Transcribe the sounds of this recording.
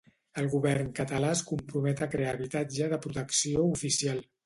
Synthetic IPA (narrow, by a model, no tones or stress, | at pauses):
əlˠɣuβɛɾnkət̪əlaskumpɾumɛt̪əkɾeaβit̪ad͡ʒəðəpɾut̪əksioufisialˠ